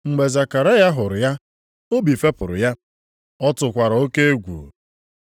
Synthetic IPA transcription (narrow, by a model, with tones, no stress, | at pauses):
ŋ͡m̩˨ɡ͡be˨za˨ka˨ɾa˦ja˦ɦʊ˨ɾʊ˨ja˦ | o˦bi˨fe˦pʊ˨ɾʊ̰˨ja˦ | ɔ˦tʊ˨kʷa˨ɾa˨o˦ke˦e˦ɡʷṵ˨